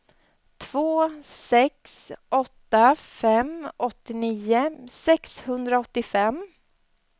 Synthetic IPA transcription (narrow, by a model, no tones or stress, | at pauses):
t̪ʰv̥oːsɛksʔɔt̪ːafɛmɔt̪ːɪniːʊsɛkshɵnd̪ɾaɔt̪ːɪfɛm